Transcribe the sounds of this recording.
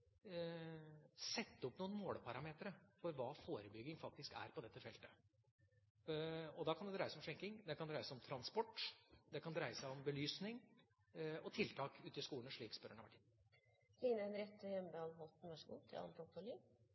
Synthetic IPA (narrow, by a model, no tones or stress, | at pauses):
sɛt̪ːəɔpnuːənmoːɽpʰɑɾɑmeːt̪əɾəfɔɾʋɑːfoːɾəbʏɡːɪŋfɑk̚t̪ɪskæ̰ɾpɔd̪ɛt̪ːəfɛlt̪ə̥ | ɔd̪ɑːkʰɑnd̪ɛd̪ɾæɪəsɔmʂɛŋkɪŋd̪ɛkɑnd̪ɾæɪəsɪɔmt̪ʰɾɑnspɔʈːd̪ɛkʰɑnd̪ɾæɪəsæɪɔmbəlyːsnɪŋ | ɔt̪ʰɪlt̪ʰɑːkʉːt̪ɪskuːlnʂɭiːkspœɾəɳɑʋæʈi | liːnəænɾɛt̪ʰːəjɛmbəhɑlːhɔlt̪n̩ʋɛʂɡṵːt̪ʰɪ̰lɑ̰nt̪ɔt̪ʰɔɭɪŋ